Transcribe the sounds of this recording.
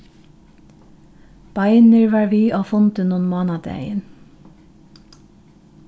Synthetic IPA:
b̥ɑɪnəɹʋɑːɹʋiːʔoːfʊnt̪ənuːnmoːnɑd̪æ̰ɪə̰n

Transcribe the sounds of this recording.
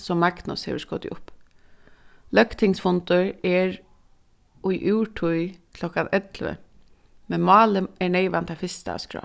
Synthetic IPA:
sɔmːakt̪nɔ̰shḛʋəskɔːd̪ɪ̰ʔʊp | lœkt̪ʰɪŋsfɔnt̪ʊɹɛɹ | ʔʊjʔʉːʈʰʊjkʰlɔkanɛt̪lʋə̰ | mɛnmɑːləɛɳeɪʋant̪ʰafɪst̪a̰ːskɹɔ̰ː

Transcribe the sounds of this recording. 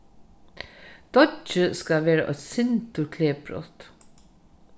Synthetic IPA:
d̪̥ɔt͡ʃəskɑʋeːɾə̰ʔɔsɪnt̪əkʰleːbʰɾɔ̰t̪

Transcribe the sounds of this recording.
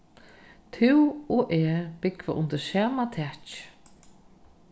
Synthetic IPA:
t̪ʰɪwɔʔɛːbɪkva̰ʔʊnt̪əɾsaːmat̪ʰɛt͡ʃ

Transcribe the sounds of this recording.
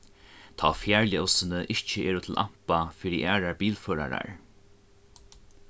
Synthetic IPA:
t̪ʰɔ̰ːfjæːɹljəɔwsɪnəʔɪht͡ɕəʔɛːɾʊt̪ʰɪlʔam̥pafiɾiʔæːɾaɹbiːlføːɾa̰ɾa̰ɹ

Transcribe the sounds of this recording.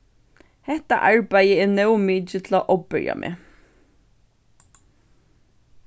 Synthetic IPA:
hɛht̪a̰ʔaɹpajəɛɹnœwmiːt͡ʃɪt̪ʰɪlaʔɔpbɪɹja̰mʔɛ̰ː

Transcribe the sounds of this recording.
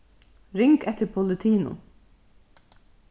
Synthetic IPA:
ɾɪŋkɛt̪əɾpʰɔlɪt̪ʰiːnʊ̰

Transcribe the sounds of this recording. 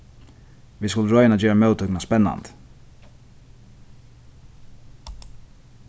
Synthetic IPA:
viskʊləɾɔʏjənad͡ʒøːɾamœːwt̪ʰʏknaspɛnːa̰nt̪

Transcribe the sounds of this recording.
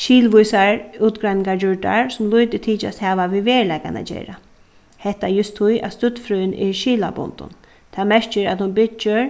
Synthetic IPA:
ʃiːlʋʊjsaɹuːt̪ɡɾajnɪŋɡaɹd͡ʒʊɹɖa̰ɹsʊmlʊjt̪ɪt̪ʰiːt͡ʃa̰st̪haːʋaʋiʋeːɹlɛjka̰na̰d͡ʒḛːɾa | hɛht̪ajʊst̪ʰːʊja̰t̪st̪ʏt̪ːfɾœjnʔɪ̰ɹʃiːlabʊ̰nt̪ʊ̰n | t̪ʰaːmɛɹt͡ʃɪɾa̰t̪hʊnbɪt͡ʃːɪɾ

